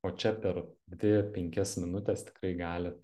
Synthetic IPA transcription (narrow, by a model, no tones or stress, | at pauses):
oːt͡ʃʲɛpʲɛrd̪ʲʋʲɪpʲɛŋʲkʲɛsmʲɪnʊt̪ʲɛːst̪ʲɪ̥kɾɐɪɡɑːlʲɪ